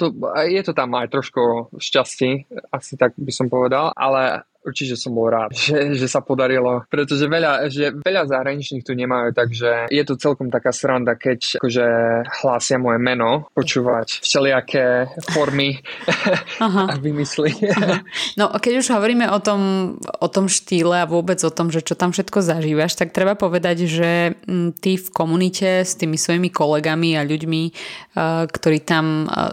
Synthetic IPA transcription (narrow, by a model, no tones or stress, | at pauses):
t̪ɔjɛt̪ɔt̪amajt̪ɾɔʃkufʃcasciasit̪aɡ̚bisɔmpɔʋɛd̪alʔa̰lɛ | uɾt͡ʃicɛɛsɔmbɔlɾaːt̪ʒɛʒɛsapɔd̪aɾilɔpɾɛt̪ɔʒɛʋɛʎaʒɛʋɛʎazaɦɾaɲit͡ʃɲiːxt̪uɲɛmajuːt̪aɡʒɛjɛt̪ɔt͡sɛlkɔmt̪akaːst̪ɾand̪akɛckɔʒɛhlaːsɪamɔjɛmɛnɔpɔt͡ʃuːʋacfʃɛlɪakʰɛːfɔɾmi | aɦaaʋimisliaɦnɔʔkɛɟuʒɦɔʋɔɾiːmɛʔɔt̪ɔmɔt̪ɔmʃt̪iːlɛaʋʊɔbɛd͡zɔt̪ɔmʒɛt͡ʃɔt̪amfʃɛt̪kɔzaʒiːʋaʃt̪ak̚t̪ɾɛbapɔʋɛd̪aɟʒɛt̪ifkɔmunicɛst̪iːmisʋɔjimikɔlɛɡamiaʎuɟmi | kt̪ɔɾiːt̪am